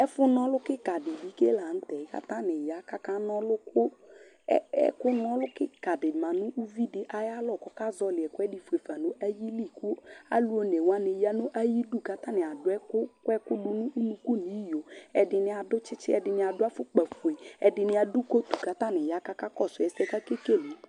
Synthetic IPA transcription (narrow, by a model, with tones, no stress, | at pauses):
ɛ˦fʊ˦nɔ˦lʊ˦kɪ˦ka˨dɪ˨bi˦ke˦la˨n̩˦tɛ˨ɪ˨˦ka̰˦ta˦nɪ˨ja˨˦ka˦ka˦nɔ˦lʊ˦kʊ˦ | ɛ˦ɛ̰˦kʊ˦nɔ˦lʊ˦kɪ˦ka˨dɪ˨ma˨nʊ̃˦ʔu˦vi˦dɪ˨˦ʔa˨ja˦lɔ˦˨kɔ˦ka˦zɔ˦lɪ˨ɛ˨kʊ˦ɛ˦dɪ˨fu˨e˨fa˨no˦ʔa˦ji˦li˦˨ku˦a̰˦lu˦o˦ne˨wa˦ne˨ja˦nʊ˦ʔa˦ji˦du˦˨ka˦ta˦˨nɪ˨a˨dʊ˦ɛ˦kʊ˦kʊ˦ɛ˦kʊ˦dʊ˦nʊ̃˦ʔu˦nu˦ku˦ni˨˦jo˨ɛ˨dɪ˧nɪ˨˦a˨dʊ˦t͡ʃɪ˦t͡ʃɪ˦ɛ˧dɪ˧nɪ˦a˨dʊ˦a˦fʊ˦k͡pa˨fe˨i˨ɛ˨dɪ˨nɪ˦a˨du˦ko˦tu˨ka˦ta˦˨nɪ˨ja˦ka˦ka˦kɔ˦˨sʊ˨ɛ˨sɛ˦ka˦ke˦ke˦˨li˨˦